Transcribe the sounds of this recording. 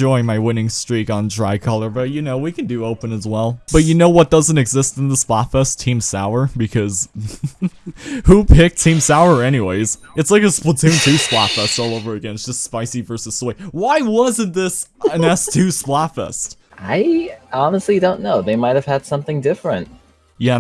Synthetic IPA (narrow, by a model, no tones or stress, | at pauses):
d͡ʒɔɪɪ̃ŋmaɪwɪ̃nɪ̃ŋstɹ̥iɾn̩dɹaɪkʰʌlˠə˞bʌt̚jɨnoʊwikɨ̃n̩dɨoʊpɨ̃nɨzwɛlˠb̥ʌt͡ʃɨnoʊwʌt̚d̥ʌzɨ̃ntɨɡzɪstn̩ðəsplætfɛstʰĩmsa̰ʊə˞bɨkʰʌz̥ | hupʰɪk̚tʰĩmsaʊə˞ɛñiweɪz̥ | ɨtslaɪkɨspl̩ˠtʰʉ̃ntʰʉsplæ̰tfɛstɔlˠoʊvə˞ɨɡɛ̃nɨtsd̥ʒ̥ʌstspaɪsivɜ˞sɨz̥sweɪwaɪwʌzɨ̃nðɪsɨ̃nɛstʰʉsplætfɛ̰st̚aɪɑnəstˡlidõʊ̃nːoʊðeɪmaɪt̚ɨv̥ɨd̥sʌ̃mθɪ̃ŋdɪfɹɨ̰̃nt̚ | jæ